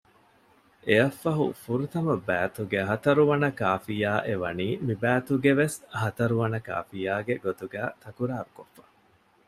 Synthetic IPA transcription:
ʔeɐfːɐɦṵfuɾut̪ɐmɐbæːt̪uɡeɦɐt̪ɐɾuʋɐnɐkaːfijaːʔeʋɐ̰niːmibæːt̪uɡeʋeshɐt̪ɐɾuʋɐnɐka̰ːfijaːɡeɡot̪uɡæːt̪ɐkuɾaːɾukofːɐ̥

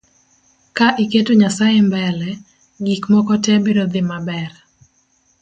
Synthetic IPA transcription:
kaʔiketoɲasajembɛlɛ | ɡikmɔkɔtɛbeɾod̪ɪmabɛr

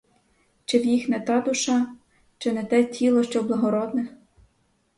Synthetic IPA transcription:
t͡ʃɪwjixnɛt̪ɑd̪ʊʃɑ | t͡ʃɪnɛt̪ɛtʲilˠɔʃt͡ʃɔwblˠɐɦɔɾɔd̪nɛx

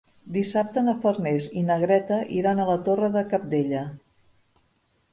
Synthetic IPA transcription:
d̪isap̚t̪ənəfərnezinəɣɾɛt̪əʔiɾanələt̪orəðəkap̚d̪eʎə

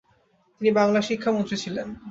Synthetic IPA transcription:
t̪inibaŋlaʃikʰːamont̪ɾit͡ɕʰilen

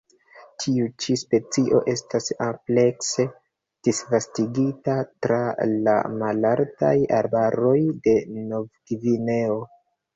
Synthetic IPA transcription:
tʰiut͡ʃispe̞t͡siʔo̞ʔe̞stasample̞kse | d̥isvastiɡitatɾala̰malaɾta̰jaɾbaɾo̞jde̞no̞vɡivine̞o̞

